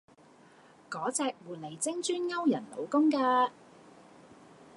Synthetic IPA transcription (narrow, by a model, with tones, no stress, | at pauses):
kɔː˨˥t͡sɛː˧k̚wuː˨˩t̚le˨˩jt͡sɪ˥ŋt͡ʃyː˥nŋɐ˥wjɐ˨˩nlo̰˨˧wkʊ˥ŋkaː˧